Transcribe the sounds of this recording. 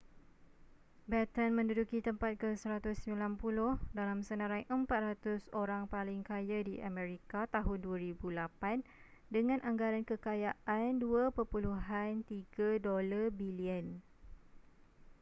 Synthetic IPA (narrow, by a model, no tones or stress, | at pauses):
bɛt̪ənmə̃ndudukit̪əmpat̪̚kəsəɾat̪ʊsəmĩlanpulʊhdalamsənãɾaiʔəmpat̪̚rat̪ʊsoɾaŋpalɪŋkajadiʔamɛ̃ɾikat̪aɦʊnduaɾibulapan | dəŋãnʔãŋɡaɾankəkajaʔanduapərpuluɦant̪iɡadolarbiliən